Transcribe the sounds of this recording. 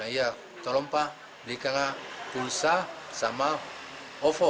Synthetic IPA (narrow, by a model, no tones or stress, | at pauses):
aia | t̪olɔmpa | blikaŋapulsasama | ofo